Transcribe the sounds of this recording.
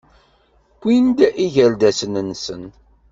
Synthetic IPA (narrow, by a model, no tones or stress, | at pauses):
kʷːind̪æʔiʝæld̪æsənənːsə̰n